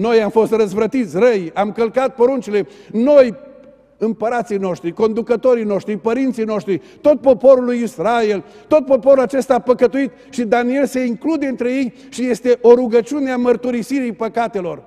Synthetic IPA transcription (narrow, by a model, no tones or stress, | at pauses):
no̞jamfo̞st̪rəzvɾət̪it̪sʲrəjamkəlkat̪̚po̞ɾunt͡ʃile̞no̞j | ɨmpəɾat̪sijno̞ʃt̪ɾiko̞nd̪ukət̪o̞ɾijno̞ʃt̪ɾipəɾint̪sijno̞ʃt̪ɾi | t̪o̞t̪̚po̞po̞ɾulːujisɾae̞lt̪o̞t̪̚po̞poɾulat͡ʃe̞st̪aːpəkət̪uit̪ | ʃid̪anie̞lse̞iŋklud̪e̞ɨnt̪ɾe̞je̞j | ʃije̞st̪e̞ʔo̞ɾuɡət͡ʃuneamərt̪uɾisiɾijpəkat̪e̞lo̞r